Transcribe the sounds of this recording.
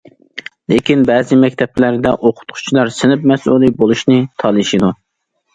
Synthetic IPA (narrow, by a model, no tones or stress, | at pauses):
lekʲinbɛːzɪmɛkʲt̪ʰɛplæɾd̪ɛʔoqʰʊ̥t̪qʰʊ̥t͡ʃʰilˠɑɾsɪnɪpmɛsʔulˠibolˠuʃnɪt̪ʰɑlˠɨʃid̪u